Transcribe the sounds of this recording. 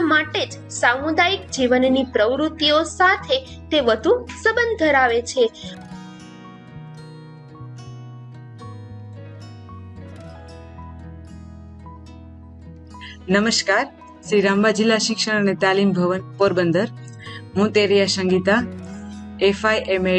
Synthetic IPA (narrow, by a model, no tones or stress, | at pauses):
maʈed͡ʒ | samud̪ajikd͡ʒiʋənnipɾəʋɾut̪iosat̪ʰe | t̪eʋəd̪ʱusəbənd̪ʱəɾaʋet͡ʃʰe | nəməʃkaɾ | ʃɾiɾãmbad͡ʒilːaʃɪkʃəɾənet̪alimbʱəʋənpoɾbənd̪əɾ | ɦũt̪eɾijasə̃ŋɡit̪a | efajʔeme